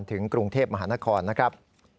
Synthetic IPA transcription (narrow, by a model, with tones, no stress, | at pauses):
nt̪ʰɯ˩˦ŋkɾu˧ŋt̪ʰeː˥˩p̚ma˧ɦaː˩˦na˦˥kʰɔː˧nːa˦˥kʰɾa˦˥p̚